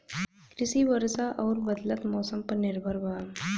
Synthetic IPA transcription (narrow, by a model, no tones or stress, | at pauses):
kɾisiːʋəɾsaʔɐwɾbəd̪lət̪mɔsəmpəɾniɾbʱəɾba